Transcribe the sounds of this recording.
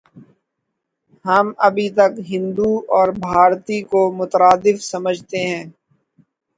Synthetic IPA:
ɦɐmɐbʱit̪ɐkɦɪ̃nd̪uɔːɾbʱaːɾt̪ikomʊt̪ɾaːd̪ɪfsɐməd͡ʒʱt̪eɦɛ̃ː

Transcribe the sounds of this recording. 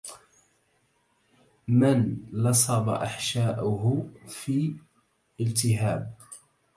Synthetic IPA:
mɪnlɑsˤɑbɑ̰ʔaħʃaːʔʊɦfiː | ɪlt̪ɪɦaːb̚

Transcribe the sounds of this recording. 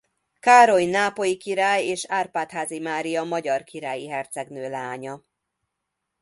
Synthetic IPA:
kaːɾo̞jnaːpo̞jikiɾaːjeːʃaːrpaːt̪haːzimaːɾijɒmɒɟɒrkiɾaːjiɦɛrt̪sɛɡnøːlaːɲɒ

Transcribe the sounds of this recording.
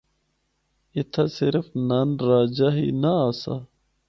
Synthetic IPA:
ɪt̪ʰasɪɾfnaːnɾaːd͡ʑaɦḭnaasa̰

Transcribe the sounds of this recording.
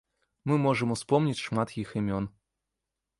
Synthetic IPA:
mɨmɔʐɨmuspɔmnʲit͡sʲʂmat̪jiximʲɔn

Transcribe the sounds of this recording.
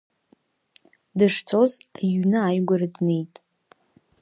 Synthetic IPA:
dɨʂt͡sʰozaɥnɨajɡʷaradnejtʼ

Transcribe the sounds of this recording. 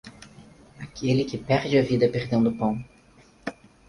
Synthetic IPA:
akʰelɪkɪpɛɾd͡ʒɪɐvid̪ɐpeɾd̪ẽñd̪ʊpɐ̃w̃

